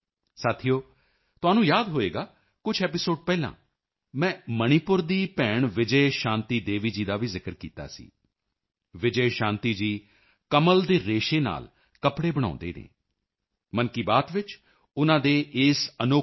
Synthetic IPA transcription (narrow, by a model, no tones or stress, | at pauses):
saːt̪ʰijoː | t̪ʊaːnũːjaːd̪ɦoːḛːɡaː | kʊt͡ʃʰɛːpɪsoːɖpɛːlã̰ː | mɛ̃ːməɽ̃iːpʊɾd̪iːpɛːɳʋɪd͡ʒəeʃãːnt̪iːd̪eːʋiːd͡ʒiːd̪aːʋiːzɪkəɾkḭːt̪a̰ːsḭː | ʋɪd͡ʒəeʃãːnt̪iːd͡ʒiː | kəməld̪eːɾeːʃeːna̰ːl | kəpɽeːbəɽ̃ã̰ːnd̪ḛːd̪ḛ̃ː | mənkiːbaːt̪ʋɪt͡ʃ | ʊnãːd̪eːʔɪːsənoː